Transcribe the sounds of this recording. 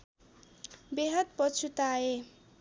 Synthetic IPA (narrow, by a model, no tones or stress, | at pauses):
beɦʌt̪̚pʌt͡sʰut̪ae